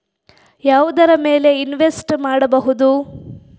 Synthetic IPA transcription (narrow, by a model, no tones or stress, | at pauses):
jaːʋud̪ɐɾɐmeːle̞inʋesʈmaːɽɐbɐɦud̪u